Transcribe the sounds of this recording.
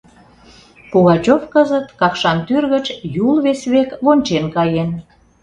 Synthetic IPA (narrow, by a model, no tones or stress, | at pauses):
koɣɑt͡ɕofkəzət̪kɑkʃɑnt̪yrɣət͡ɕjulβesβekβonʲt͡ɕenkɑjen